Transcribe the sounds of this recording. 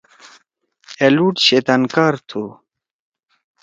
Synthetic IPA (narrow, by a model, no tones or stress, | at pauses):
eluʈɕet̪ɐnkaːɾt̪ʰu